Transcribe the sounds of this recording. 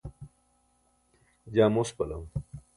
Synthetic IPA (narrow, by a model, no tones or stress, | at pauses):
d͡ʑaːmospɐlɐm